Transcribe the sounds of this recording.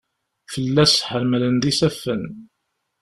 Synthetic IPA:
fəlːæsħəɾmlənðisæfːən

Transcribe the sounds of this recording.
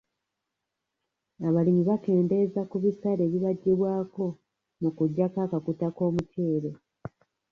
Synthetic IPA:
aβalimiβake̞ːnde̞zakuβisaɾe̞ːβiβaɟːeβwaːko̞ | mukuɟːakaːkakutako̞ːmute̞ːɾe

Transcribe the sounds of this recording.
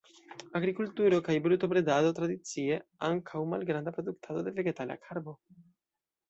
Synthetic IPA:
aɡɾikultuɾo̞kajbɾut̪o̞pɾedado̞t̪ɾad̪it͡sie̞aŋkʰawma̰lɡɾand̪apɾo̞d̪uk̚tʰado̞d̪e̞ve̞ɡe̞tala̰kʰaɾbo̞

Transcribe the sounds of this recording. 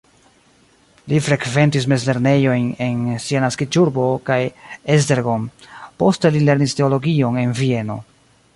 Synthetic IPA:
lifɾe̞kve̞ntis̬mezle̞ɾne̞jo̞jne̞nsianaskit͡ʃuɾbo̞kajes̬de̞ɾɡompo̞ste̞lile̞ɾniste̞o̞lo̞ɡio̞ne̞nvie̞no̞̰

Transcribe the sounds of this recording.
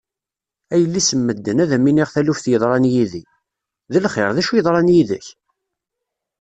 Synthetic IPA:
æjəlːisəmːəd̪ːənæðæminiʁθælufθjəðˤɾˤɑnjiði | ðəlχɪɾˤðæʃujəðˤɾˤɑnjiðə̰ç

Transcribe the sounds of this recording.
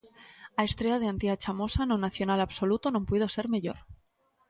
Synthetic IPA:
ae̞st̪ɾe̞að̞eant̪iat͡ʃamo̞sanonaθjonalaβso̞lut̪onõmpweð̞o̞se̞ɾme̞ʎo̞̰ɾ

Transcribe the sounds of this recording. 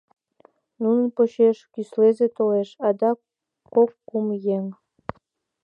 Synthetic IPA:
nunənpoɕeʃkyslezet̪oleʃɑd̪ɑ | kːokːumjeŋ

